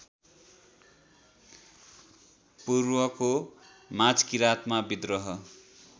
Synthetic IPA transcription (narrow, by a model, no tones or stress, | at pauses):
purwʌko | mad͡zkiɾat̪mabid̪rʌɦʌ